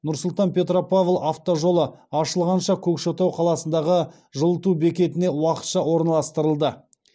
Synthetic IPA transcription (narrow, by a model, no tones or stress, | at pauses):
nʊɾsʊlˠt̪ɑnpʲe̞t̪ro̞pavlˠaft̪o̞ʒo̞lˠəɑʃəlˠʁɑnʃɑkʲʰɵkʃot̪ɑwqʰɑlˠɑsənd̪ɑʁə | ʒəlˠət̪ube̞kʲe̞t̪ɪne̞wɑqət̪ʃɑwo̞ɾnɑlˠɑst̪əɾəlˠd̪ə